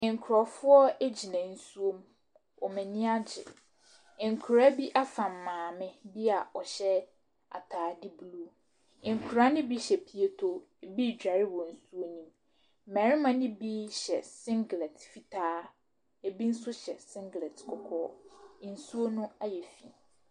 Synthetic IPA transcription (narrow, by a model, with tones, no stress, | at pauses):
ɪ̃˨ŋ˨kʰɾɔ˨fʊ˦ɔ˦e˦d͡ʑi˨nã˨n̩˨su˦o˦m˦ | ɔ˨mɛ̃˨nɪ̃˦a˦d͡ʑɪ̰˨ | ɪ̃˨ŋ̩˨kʰu˨ɾa˦bi˦ʔa˦fã˨mː˨ãː˨mɪ̃˦bi˦a˨ɔ˨ɕɛ˦ | a̰˨tʰaː˨dɪ˦bu˦lu˦ | ɪ̃˨ŋ˨kʰu˨ɾa˦nɪ̃˦bi˦ɕɛ˨pʰi˨e˦tʰo˦ | e˨bi˦˨d͡ʑᶣa˨ɾɪ˦wɔ˨n̩˨su˦o˦nĩ˦m | m̩˦mæ̃˨ɾɪ˦mã˦nɪ̃˦bi˦ɕɛ̰˨sɪ̃˦ŋɡlɛ˨tfi˨tʰaː˦ | e˨bi˦n̩˦sʊ˦ɕɛ̰˨sɪ̃˦ŋɡlɛ˨tkʰɔ˨kʰɔ̰ː˦˨˦n̩˨su˦o˦nʊ̃˦a˦jɛ˨fi˨